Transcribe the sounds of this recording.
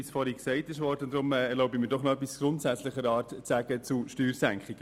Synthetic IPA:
isfɔɾhiksɛɪtɪʃʋɔːɾdənd̥̪ɾʊmɛɛɾloʊbəmiːɾdɔχnoœp̬ːisɡ̥ɾʊntsæt͡sləχəɾɑːɾtt͡sæːɡ̥ət͡suʃtyːɾsæŋkχiɡ̥ə

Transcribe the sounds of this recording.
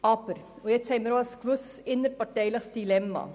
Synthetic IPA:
ɑːpəɾ | ɔjæɪt̪ʰɛɪməɾoɑskʋʉsɪnːəɾpɑʈɛɪlɑsd̪ɪlɛmːɑ̰

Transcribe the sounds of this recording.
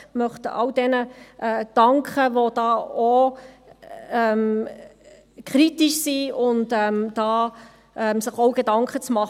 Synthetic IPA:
mœχtəʔɑ̰wd̥ɛnəʔɛd̥ɑŋkχəʋod̥ɑːo | ɛm | kʰɾitɪʃsiːʊntɛmd̥ɑː | ʔɛmsɪχoʊɡ̥edɑŋkχət͡smɑχ

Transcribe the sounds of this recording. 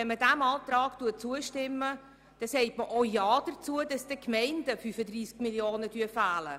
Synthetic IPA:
ɛnmədæmɑːtɾɑːɡ̥tuət͡suəʃtɪmːə | d̥ɑsɛɪtməʔojɑːd̥əɾt͡suədɑsd̥əkmɛɪnd̥əfyfədriːskmiljoːnədyəfæːlə

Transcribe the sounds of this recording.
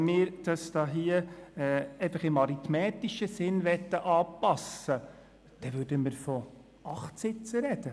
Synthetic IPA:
nmɪːɾd̥ɑsd̥̪ɑːɦiəɛːeɪfɑχɪmɑɾit̪mɛːt̪iʃəsɪnʋɛt̪ːəʔɑːpɑsə | d̥ɛʋʉɾdəməɾfɔ | ɑχtsɪt͡səɾɛd̪̥ə

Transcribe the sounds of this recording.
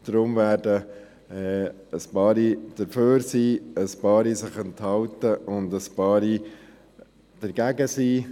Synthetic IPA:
d̪̥ɾʊmvæːɾdə | ɛ | əspɑːɾid̥əɾføːɾsiːəspɑːɾisɪχənthɑwtəʔʊndəspɑːɾi | d̥əɾɡ̥æɡəsiː

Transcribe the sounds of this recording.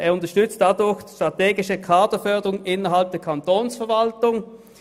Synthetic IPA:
ʔeːɐʊntɐʃtʏt͡st̚d̥adʊɐçd̥i̥ʃtʁ̥ateːɡɪʃəkʰaːdəfœɐdəʁʊŋʔɪnɐɦalp̚d̥eːɐkʰantoːnsfɛɐvaltʊŋ

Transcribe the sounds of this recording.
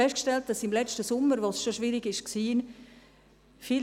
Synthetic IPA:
ɛstkʃtɛlt̚d̥ɑsɪmlɛt͡ʃtəsʊmːəɾʋosʃoʃʋiɾiɡɪʃksiːn | fiː

